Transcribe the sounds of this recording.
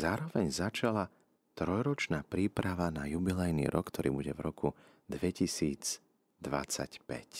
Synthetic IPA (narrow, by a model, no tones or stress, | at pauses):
zaːɾɔʋɛɲzat͡ʃala | t̪ɾɔjɾɔt͡ʃnaːpɾiːpɾaʋanajubilɛjnḭːɾɔkːt̪ɔɾḭːbuɟɛvɾɔku | d̪ʋɛcisiːd͡z | d̪ʋa̰t͡sa̰cpɛ̰c